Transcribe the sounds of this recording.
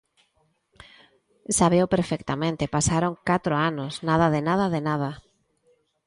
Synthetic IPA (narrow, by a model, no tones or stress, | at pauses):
saβewpeɾfɛkt̪amẽnt̪epasaɾoŋkat̪ɾʊanosnað̞aðenað̞aðenað̞a